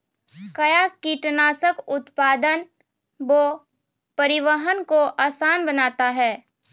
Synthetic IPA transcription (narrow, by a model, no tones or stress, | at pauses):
kɐjakiʈnaːsəkʊt̪paːd̪ən | boː | pɐɾɪʋəɦənkoʔaːsaːnbənaːt̪aɦɛː